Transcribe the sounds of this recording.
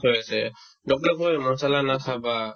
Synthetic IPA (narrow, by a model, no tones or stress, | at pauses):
ojasɛ | dɔk̚lɔkɔjmɔnsalanakʰaba